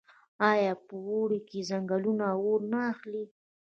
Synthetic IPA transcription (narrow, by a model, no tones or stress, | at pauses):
ɑjɑpəwoɽikezaŋɡalunawoɾnaːxli